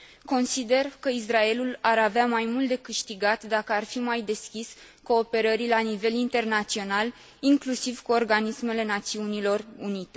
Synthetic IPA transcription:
ko̞nsid̪e̞rkəis̬rae̞lulaɾaveamajmult̪d̪e̞kɨʃt̪iɡat̪d̪akəarfimajd̪e̞skʲis | ko̞ːpe̞ɾəɾilanive̞lint̪e̞rnat̪sio̞nal | iŋklusivkuo̞rɡanisme̞le̞nat̪siunilo̞runit̪e̞

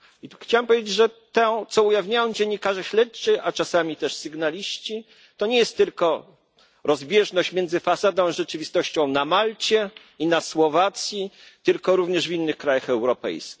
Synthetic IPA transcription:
ixt͡ɕawɛmpɔvʲed͡ʑed͡ʑʐɛt̪ɛ̃t̪sɔujavɲajɔ̃w̃d͡ʑɛɲːikaʐɛɕlɛt͡ʂɘat͡ʂasamʲit̪ɛʂsɘɡnalʲiɕt͡ɕi | t̪ɔɲɛjɛst̪ːɘlkɔ | ɾɔzbʲjɛʐnɔɕt͡ɕmʲjɛnd̪zɘfasad̪ɔ̃w̃ʐɛt͡ʂɘvʲist̪ɔɕt͡ɕɔ̃w̃namalt͡ɕɛ | inaswɔvat̪sʲjit̪ɘlkɔɾuvɲɛʐvʲinːɘxkɾajaxɛwɾɔpɛ̰jskʲix

